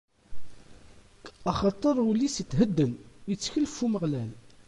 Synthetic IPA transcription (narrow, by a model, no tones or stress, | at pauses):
ɑχɑt̪ˤːəɾˤulːisit̪ɦəd̪ːənət͡sːçəlfuməʁlæl